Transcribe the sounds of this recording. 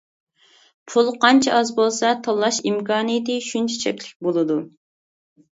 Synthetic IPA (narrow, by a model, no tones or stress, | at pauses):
pʰulˠqɑnt͡ʃʰɛɑzbolˠsɑt̪ʰɑlˠːɑʃimkɑːnijit̪ɨʃunt͡ʃʰɛ̥t͡ʃʰɛkʲlɪk̚ʲbolˠɨd̪u